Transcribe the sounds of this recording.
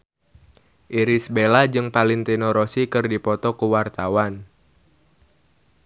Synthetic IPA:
ʔiɾisbelad͡ʒɨŋpaliŋt̪inɔɾɔsikɨrdipɔt̪ɔkuwart̪awan

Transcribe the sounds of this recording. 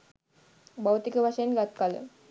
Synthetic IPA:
bawt̪ikəʋaʂəjənɡat̪̚kalə̰

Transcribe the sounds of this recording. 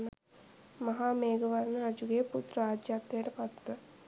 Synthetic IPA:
n | mɐɦaːmeːɡəʋɐɾnəɾɐd͡ʒuɡeːput̪ɾəaːd̪jaːt̪ːejʈəpɐt̪ːə

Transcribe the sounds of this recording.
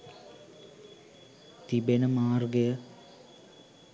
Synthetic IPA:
t̪ibenəmaːrɡəjə

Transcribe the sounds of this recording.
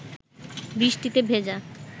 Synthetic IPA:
bɾiʃʈit̪ebʱed͡ʑa

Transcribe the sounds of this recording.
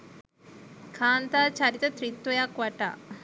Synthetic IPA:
kʰaːnt̪at͡ʃaɾit̪ɐt̪ɾit̪wɐjakʋaʈa̰

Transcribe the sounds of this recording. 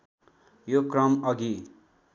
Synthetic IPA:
jokrʌmʌɡi

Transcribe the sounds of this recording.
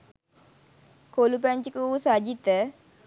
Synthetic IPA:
kolup̬æɲt͡ʃikəusad͡ʒit̪ə

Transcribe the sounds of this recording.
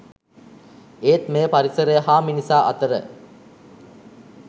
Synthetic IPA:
eːt̪meːpaɾisəɾəjəɦaːminisaːʔɐ̰t̪əɾə̰

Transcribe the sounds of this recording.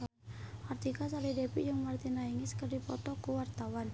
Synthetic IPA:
art̪ikasalidepid͡ʒuŋmart̪inaiŋiskərdipɔt̪ɔkuwart̪awan

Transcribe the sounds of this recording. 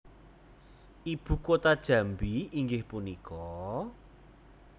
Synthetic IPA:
ʔib̥ṳkot̪ad̥ʒ̥ä̤mbiiŋɡɪhpunikɔ

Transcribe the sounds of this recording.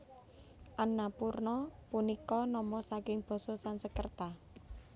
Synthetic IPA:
ʔanapurnɔpunikɔnɔmɔsakɪŋb̥ɔ̤sɔsansəkərt̪a

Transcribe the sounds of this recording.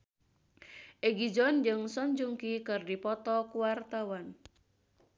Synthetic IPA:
ʔeɡid͡ʒɔnd͡ʒɨŋsɔɲd͡ʒuŋkikɨrdipɔt̪ɔkuwart̪awan

